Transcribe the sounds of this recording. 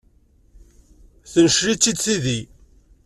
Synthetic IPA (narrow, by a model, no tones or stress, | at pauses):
θənəʃɾit͡sːid̪siði